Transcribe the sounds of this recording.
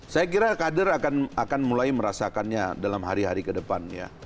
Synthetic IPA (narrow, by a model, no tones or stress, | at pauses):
sajak̬iɾakadərakanakanmulajməɾasakanɲadalamɦaɾiɦaɾikədəpanja̰